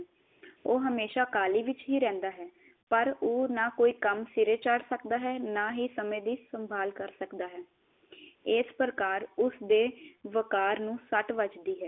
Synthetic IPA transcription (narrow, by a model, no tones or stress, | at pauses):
oːɦəmeːʃaːkaːliːʋɪt͡ʃɦiːɾɛ̃ːnd̪aːɦɛː | pəɾoːnaːkoːiːkəmsɪɾeːt͡ʃəɽsəkd̪aːɦɛːnaːɦiːsəmẽːd̪iːsəmbʱaːlkəɾsəkd̪aːɦɛː | ɪspɾəkaːɾʊsd̪eːʋəkaːɾnũːsəʈʋəd͡ʒd̪iːɦɛː